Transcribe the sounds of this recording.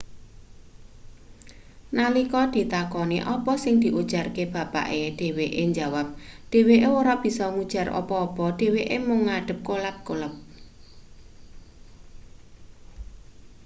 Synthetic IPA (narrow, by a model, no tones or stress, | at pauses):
nalikɔd̪̥i̤t̪akɔnḭʔɔpɔsɪŋd̪̥i̤ʔud̥ʒ̥a̤rkeb̥ä̤pa̰ʔeɖ̪̥e̤weʔeɲd͡ʒawap̚d̥e̤weʔewoɾɔʔb̥i̤sɔŋud̥ʒ̥a̤rɔ̰pɔːpɔɖ̪̥e̤weʔemʊŋːaɖ̥ə̤p̚kolat̪̚koləp̚